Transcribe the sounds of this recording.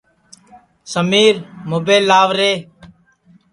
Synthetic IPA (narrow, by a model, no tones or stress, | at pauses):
səmiːɾmoːbeːlːaːʋɾeː